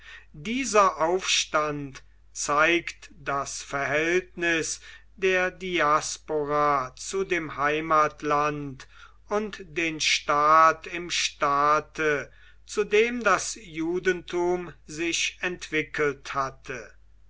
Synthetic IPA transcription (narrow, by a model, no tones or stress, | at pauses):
diːzɐʔaʊfʃtant | t͡saɪktd̥asfɛɐɦɛltnɪs | deːɐdiaspoʁat͡sudeːmhaɪmaːtlant | ʊntd̥eːnʃtaːtɪmʃtaːtʰə | t͡sudeːmdasjuːdəntʰuːmzɪʃɛntv̥ɪkʰəlthatʰə